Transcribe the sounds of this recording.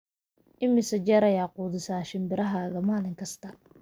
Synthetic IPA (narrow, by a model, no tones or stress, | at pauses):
ʔɪmɪsɐt͡ʃɛːɾɐjaːquːðɪsaːʃɪmbɪɾɐɦaːɣɐmaːlɪŋkʰɐst̪ʰɐ